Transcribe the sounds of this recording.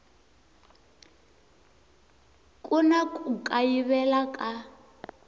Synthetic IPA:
kʼunakʼukʼajiβɛlakʼa

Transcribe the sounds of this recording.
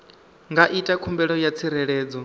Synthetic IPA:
ŋɡaʔitʼakʰumbɛɺɔjat͡sʰiɾɛɺɛːd͡zɔ

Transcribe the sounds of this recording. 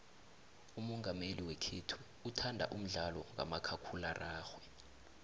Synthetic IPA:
umɔŋɡʱameliwɛkʰetʰu̥ | utʰandʱa̰ʔum̩ɮalɔŋa̰makʰakʰularʔaːxwɛ

